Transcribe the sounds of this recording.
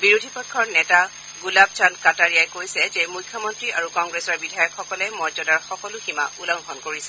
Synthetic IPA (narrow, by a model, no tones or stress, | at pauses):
biɹudʱipɔkʰːɔɹnɛta | ɡulab̚t͡ʃʰankataɹijajkojsɛzemujkʰːɔmɔntɹiʔaɹukɔŋɡɹesɔɹbidʱajɔkxɔkɔlɛmɔɹzɔdaɹxɔkɔlʊxima̰ulɔŋxɔnkoɹisɛ